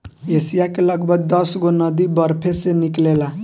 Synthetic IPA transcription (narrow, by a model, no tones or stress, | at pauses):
esijakeləɡbʱəɡ̚d̪əsɡonəd̪ibəɾpʰeseniklela